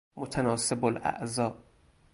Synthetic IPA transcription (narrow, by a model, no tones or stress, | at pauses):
mot̪ʰænɒːsebolʔæ̰ʔzɒː